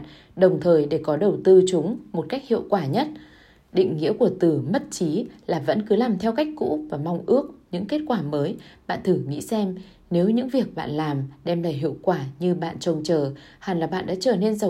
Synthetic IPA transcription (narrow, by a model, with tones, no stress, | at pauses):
ɗə˨˩wŋ͡mt̪ʰəː˨˩jɗe˧˩kɔ˨˦ɗə˨˩wt̪ɨ˧t͡ɕʊ˨˦ŋ͡mmo˨˩t̚ka˦˥jk̚hḭ˧˨əwkwaː˧˩ɲə˦˥t̚ | ɗḭ˧˨ŋ̟ŋḭ˧˥əku˧˩ət̪ɨ˨˩mə˦˥t̚t͡ɕi˨˦laː˨˩və̰˧˥nkɨ˨˦laː˨˩mt̪ʰɛ˧wka˦˥jk̟̚kṵ˧˥vaː˨˩ma˧wŋ͡mʔɨ˦˥ək̚ɲɨ̰˧˥ŋke˦˥t̚kwaː˧˩məː˨˦jɓa̰ː˧˨nt̪ʰɨ˧˩ŋḭ˧˥sɛ˧m | ne˨˦wɲɨ̰˧˥ŋvi˨˩ək̚ɓa̰ː˧˨nlaː˨˩mɗɛ˧mla̰ː˧˨jɦḭ˧˨əwkwaː˧˩ɲɨ˧ɓa̰ː˧˨nt͡ɕə˨˩wŋ͡mt͡ɕəː˨˩haː˨˩nlaː˨˩ɓa̰ː˧˨nɗa̰ː˧˥t͡ɕəː˧˩ne˧nzə˨˩